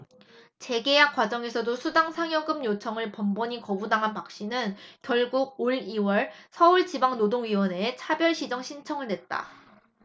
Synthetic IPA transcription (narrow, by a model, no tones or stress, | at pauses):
t͡ɕe̞ɡe̞jak͈wad͡ʑʌŋe̞sʰʌdosʰudaŋsʰaŋjʌɡɯmɲjot͡ɕʰʌŋɯɭpʌmbʌɲikʌbudaŋɦanpak̚ɕ͈inɯnkjʌɭɡuɡ̚oɭiwʌɭsʰʌuɭt͡ɕibaŋnodoŋɥiwʌne̞ːt͡ɕʰabjʌɭɕʰid͡ʑʌŋɕʰint͡ɕʰʌŋɯɭnwe̞t̚t͈a̰